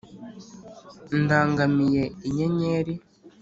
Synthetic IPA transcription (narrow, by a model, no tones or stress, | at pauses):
ndaːŋɡamije̞iɲe̞ɲeːɾi